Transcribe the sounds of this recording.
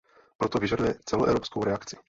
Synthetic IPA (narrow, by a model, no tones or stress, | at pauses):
pɾɔt̪oviʒadujɛt͡sɛlɔʔɛ̰wɾopskowɾɛakt͡sɪ̥